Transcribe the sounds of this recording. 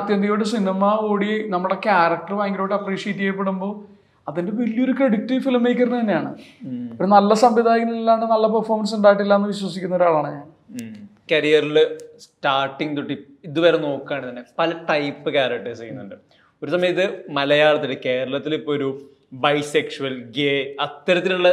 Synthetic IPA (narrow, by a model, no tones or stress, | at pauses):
ɐt̪jɐnd̪ɐjoːɽes̬inimaoːɽienɐmːuuɽekʲaːɾɐk̚ʈɐrʋaːŋɡiloːɽɐpriːʂieːtːiɣejp̬ːeɽumbo̞ː | ɐðinde̞ʋɐlːijo̞ɾukeɽik̚tːifilmejkʲːɐrɐnːɐt̪ɐnːejaːɳɨo̞ɾunɐlːɐsɐmʋid̪ʱaːjkɐnilːaːɳɖɨnɐlːɐpɐrformɐnsuɳɖaːjiʈːilːaːenːɨʋiɕwɐsikʲːunːɐo̞ɾuaːɭaːɳɨɲaːn | kɐɾijɐrilsʈaːrʈːiŋɡt̪uʈːi | iðuʋɐːɾeno̞ːkːaːɳit̪ɐnːe̞pɐlɐʈɐjpːɨkʲaːɾɐk̚ʈːɐsɐjunːuɳɖɨ | o̞ɾusɐmɐjɐt̪̬ːɨmɐlɐjaːɭɐt̪ːiɖɨke̞ːɾɐɭɐt̪ːilipːoːoɾu | bɐjsekʂuɐlɡeːɐt̪ːɐɾɐt̪ːiluɭːɐ